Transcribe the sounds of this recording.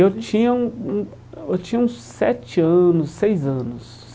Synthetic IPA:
ewt͡ʃĩɲɐũũ | ewt͡ʃĩɲɐũssɛt͡ʃɪɐ̃nʊsːejzɐ̃nʊs

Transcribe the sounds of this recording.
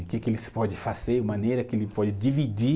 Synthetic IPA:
ʊkɛkelɪspɔd͡ʒɪfaz̥eumɐ̃nejɾɐkɪelɪpɔd͡ʒɪd͡ʒivid͡ʒi

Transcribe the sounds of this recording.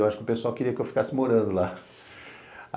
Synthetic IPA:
waʃʊ̥kɪʊpesuawkɪɾiɐkɪewfi̥kasɪmoɾɐ̃nd̪ʊla

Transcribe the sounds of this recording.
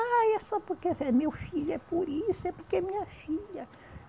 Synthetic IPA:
aɛsɔpʊɾkɛsɛmewfiʎʊɛpoɾisʊɛpʊɾkɛmiɲɐfiʎɐ

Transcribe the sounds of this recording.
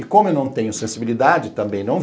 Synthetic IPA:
ɪkõmʊewnɐ̃w̃t̪ẽɲʊsẽsibilid̪ad͡ʒɪt̪ɐ̃mbẽj̃nɐ̃w̃

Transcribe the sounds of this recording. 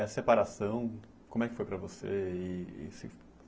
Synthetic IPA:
ɐsepaɾasɐ̃w̃ | kõmʊɛkɪfojpɾɐvosḛɪɪ̰sɪ̰

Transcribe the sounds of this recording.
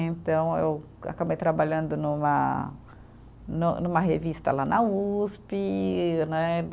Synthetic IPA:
ẽnt̪ɐ̃w̃ḛw | a̰kabejt̪ɾabaʎɐ̃nd̪ʊnũmɐ̰ | nũnũmɐɦevist̪ɐ̰lanɐuspinɛ

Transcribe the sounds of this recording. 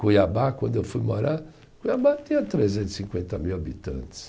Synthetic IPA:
kujabakwɐ̃nd̪ʊewfujmoɾa | kujabat̪ĩɲɐt̪ɾezẽnt̪ʊ̥sĩŋkwẽnt̪ɐmiwabit̪ɐ̰̃nt̪ɪ̥s

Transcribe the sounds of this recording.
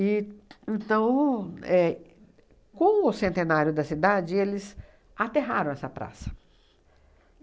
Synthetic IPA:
ɪẽnt̪ɐ̃w̃ɛ | kõʊsẽnt̪ẽnaɾjʊd̪ɐsid̪ad͡ʒɪelɪz | at̪eɦaɾɐ̃w̃ɛsɐpɾa̰sɐ̥

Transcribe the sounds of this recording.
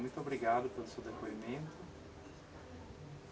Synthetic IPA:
mũj̃t̪ʊobɾiɡad̪ʊpelʊsewd̪epoimẽnt̪ʊ

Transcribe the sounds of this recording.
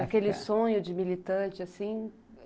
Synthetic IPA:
akelɪsõɲʊd͡ʒɪmilit̪ɐ̃t͡ʃɪasĩ

